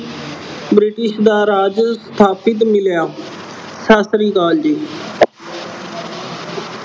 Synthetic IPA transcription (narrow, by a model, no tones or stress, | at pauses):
bɾɪʈɪʃd̪aːɾaːd͡ʒst̪ʰaːpʰɪt̪mɪljaː | saːsɾiːkaːld͡ʒiː